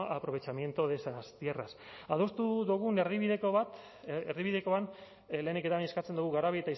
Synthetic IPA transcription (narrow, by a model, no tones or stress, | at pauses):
apɾo̞β̞e̞t͡ʃamje̞nt̪oðe̞sast̪ie̞ra̰s | aðo̞st̪uðuɣ̞une̞ɾðiβiðekoβat̪ | eɾðiβiðe̞ko̞an | le̞ːneke̞t̪aβaɲe̞skat͡se̞nd̪uɣuɣaɾaβie̞t̪ais